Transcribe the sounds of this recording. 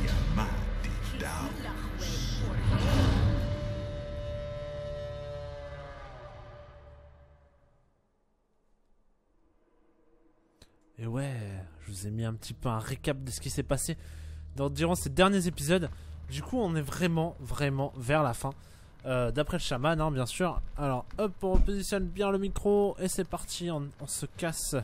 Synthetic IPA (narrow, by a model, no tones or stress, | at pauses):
amãd̪ed̪a | ewɛʒəvuzemiɛ̃pət̪ʰipøɛ̃ʁekap̚d̪əsə̥kʲisɛpased̪ɑ̃d̪iʁɑ̃sed̪ɛʁnjezepizɔd̪ːykʰuɔ̃nɛvʁɛmɑ̃vʁɛmɑ̃vɛʁlafɛ̃ | ød̪apχɛləʃamanɛ̃bjɛ̃syːʁalɔʁɔpʁəpozisjɔnbjɛ̃ləmikχoesɛpaʁt̪ʰiɔ̃ɔ̃səkʲas